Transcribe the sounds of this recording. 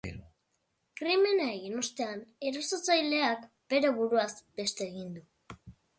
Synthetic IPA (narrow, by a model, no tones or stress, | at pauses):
kɾime̞nae̞ɣinost̪e̞ane̞ɾo̞sot͡sajle̞ak | be̞ɾoβuɾuazbe̞st̪e̞ːɣ̞ind̪u